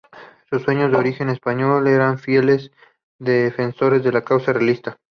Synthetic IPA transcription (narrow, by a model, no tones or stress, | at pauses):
susːwe̞ɲo̞zðeo̞ɾixe̞nespaɲo̞le̞ɾaɱfje̞le̞z | d̪efe̞nso̞ɾe̞zðe̞lakawsarealist̪a